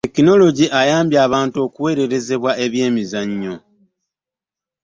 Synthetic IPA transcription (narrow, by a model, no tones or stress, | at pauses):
te̞kino̞lo̞ɟiʔajaːmbjaːβaːntuo̞ːkuwe̞ːɾe̞ɾe̞ze̞βwae̞βje̞ːmizaɲːo̞